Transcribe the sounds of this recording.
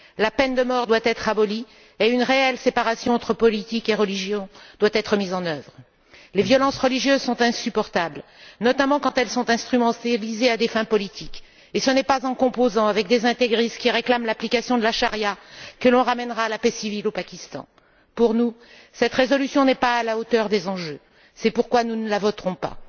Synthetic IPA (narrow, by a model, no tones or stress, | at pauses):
lapɛnd̪əmɔʁd̪wat̪ɛt̪χabɔli | eynʁeɛlsepaʁasjɔ̃ɑ̃t̪χəpɔlit̪ikeʁəliʒjɔ̃d̪̥wat̪ɛt̪χəmizɑ̃nœvʁ | levjɔlɑ̃sʁəliʒjøzsɔ̃t̪ɛ̃sypɔʁt̪ablnɔt̪amɑ̃kɑ̃t̪ɛlsɔ̃t̪ɛ̃st̪χymɑ̃t̪alizead̪efɛ̃pɔlit̪ʰik | esənɛpazɑ̃kɔ̃pozɑ̃avɛk̚d̪ezɛ̃t̪eɡʁiskʲiʁeklamlaplikasjɔ̃d̪əlaʃaʁjakəlɔ̃ʁamɛnʁaːlapɛsivilopakʲist̪ɑ̰̃ | puʁnu | sɛt̪ʁezɔlysjɔ̃nɛpaːlaot̪œʁd̪ezɑ̃ʒø | sɛpuʁkwanunəlavɔt̪ʁɔ̃pa̰